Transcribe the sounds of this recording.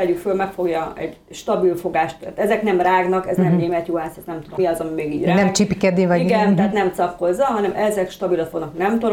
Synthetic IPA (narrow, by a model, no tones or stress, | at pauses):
ɛykfølmɛkfo̞ɡjɒɛɟ | ʃt̪ɒbilfo̞ɡaːʃt̪ːɛ̰ːt̪ɛzɛknɛmraːɡnɒkɛznɛmneːmɛt̪joːɦaːsɒt̪nɛmt̪ud̪omiɒzɒmimeːɡḭːɟraːnɛmt͡ʃipikɛd̪eːvɒiɡɛnt̪ɛɦaːt̪nɛmt̪sɒkho̞zːɒɦɒnɛmʔɛzɛkʃt̪ɒbilɒt̪fo̞ɡnɒknɛmt̪o